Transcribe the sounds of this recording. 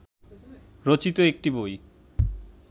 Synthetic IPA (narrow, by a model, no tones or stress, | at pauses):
ɾot͡ɕit̪oek̚ʈiboj